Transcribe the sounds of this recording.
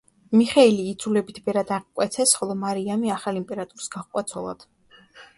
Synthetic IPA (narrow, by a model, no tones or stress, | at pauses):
miχɛiliːd̪zulɛbit̪ʰbɛɾad̪aʁikʼwɛt̪sʰɛsχɔlˠɔmaɾiamiaχalimpʼɛɾat̪ʼuɾi̥sɡaʁkʼwat̪sʰɔlˠa̰d̪̥